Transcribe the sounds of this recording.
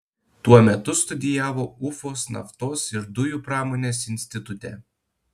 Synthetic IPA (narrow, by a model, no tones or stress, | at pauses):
t̪uɔmʲɛt̪ʊst̪ʊd̪ʲɪjæːʋoːʊfoːsnɐ̰ft̪oːsɪɾd̪ʊjuːˑpɾɑːmoːnʲeːs̬ɪnʲsʲt̪ʲɪt̪ʊt̪ʲɛ̰ː